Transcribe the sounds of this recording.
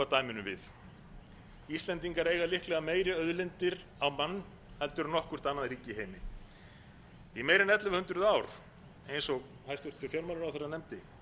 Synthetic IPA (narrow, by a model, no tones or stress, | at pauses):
at̪aːjmɪnʏmvɪð | ist̪ɛnt̪iŋkaɾeːjɣalɪhklɛɣameːjɾɪœðlɪnt̪ɪɾ | awmanː | hɛlt̪ʏɾnɔhkʏr̥t̪anːaðɾiːcɪiɦeːjmɪ | imeːjɾɪnɛt̪lʏvhʏnt̪ɾʏðaːwɾ̥ | ejnsɔɣ | hajst̪ʏr̥t̪ʏfjɛɾmawlʏɾawθɛɾaðnɛmt̪ɪ